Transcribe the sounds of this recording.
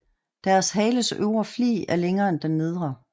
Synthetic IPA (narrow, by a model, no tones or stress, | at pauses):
d̥æɐsɦɛːɪləsø̰ʊɐflḭːæɐleŋɐːend̥ennið̞ˠʁɐ